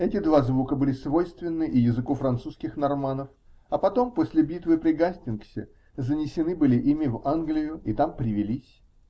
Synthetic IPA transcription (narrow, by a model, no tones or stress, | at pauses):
ɛtʲɪd̪vazvukəbɨlʲɪsvo̞jst̪vʲɪnːɨʔɪjɪzɨkofɾɐnt̪suskʲɪxnɐrmanəf | ɐpɐt̪o̞mposʲlʲɪbʲit̪vɨpɾʲɪɡasʲtʲɪnksʲɪ̰ | zənʲɪsʲɪnɨbɨlʲɪʔimʲɪvanɡlʲɪjʊit̪ampɾʲɪvʲɪlʲisʲ